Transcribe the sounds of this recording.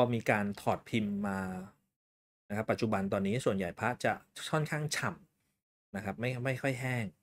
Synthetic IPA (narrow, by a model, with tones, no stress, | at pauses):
pʰɔ˧miː˧kaː˧nt̪ʰɔː˨˩t̪̚pʰi˧mːaː˧ | n˦kʰa˦˥pːa˨˩t̪t͡ɕu˨˩ba˧nt̪̬ɔː˧nːiː˦˥su˨˩ənja˨˩jpʰɾa˦˥t͡ɕa˨˩kʰɔ˥˩nkʰaː˥˩ŋt͡ɕʰa˨˩m | na˦˥kʰa˦˥p̚ma˥˩jma˥˩jkʰɔ˥˩jɦɛː˥˩ŋ